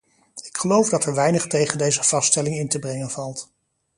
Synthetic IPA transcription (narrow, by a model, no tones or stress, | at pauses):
ɪ̥kχəlowvdɑtɛɹʋɛjnəχtejχəndejzəv̥ɑstɛlɪŋɪntəbrɛŋənvɑlˠt